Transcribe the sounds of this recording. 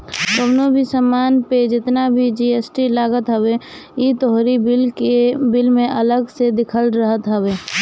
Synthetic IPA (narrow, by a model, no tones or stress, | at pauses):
t̪obnobʱisəmaːnped͡ʒɪt̪nabʱid͡ʒiesʈilaːɡət̪ɦəbe | it̪oɦɾibɪlkebɪlmẽʔələɡsed̪ɪkʰəlɾəɦət̪ɦəbeː